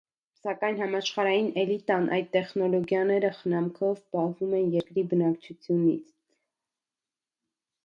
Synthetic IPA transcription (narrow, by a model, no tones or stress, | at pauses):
sɑkɑjnɦɑmɑʃχɑɾɑjinɛlit̪ɑnʔɑ̰jd̪̚t̪ɛχnɔlɔɡjɑnɛɾəχənɑmkʰɔvpɑhvumɛnjɛɾkɾibənɑkt͡ʃʰut͡sʰjunḭt͡sʰ